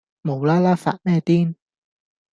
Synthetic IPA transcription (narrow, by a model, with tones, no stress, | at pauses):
mo˨˧wlaː˥laː˥fa̰ː˨t̚mɛː˥˧t̪iː˦˥n